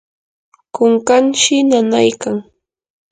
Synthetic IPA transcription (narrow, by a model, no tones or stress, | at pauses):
koŋkanʃɪnanajkaŋ